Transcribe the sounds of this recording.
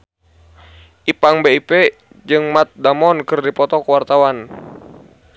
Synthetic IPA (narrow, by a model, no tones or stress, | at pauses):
ʔipaŋbeipɛ | d͡ʒɨŋmat̪̚damɔnkɨrdipɔt̪ɔkwart̪awan